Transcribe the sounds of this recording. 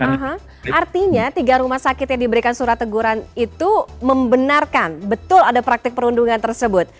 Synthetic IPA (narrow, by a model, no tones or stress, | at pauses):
aɦa | art̪iɲat̪iɡaɾumahsakɪt̪jaŋdibəɾikansuɾat̪ːəɡuɾanit̪uməmbənarkanbət̪ʊladapɾak̚t̪ɪk̚pəɾunduŋant̪ərsəbʊt̪̚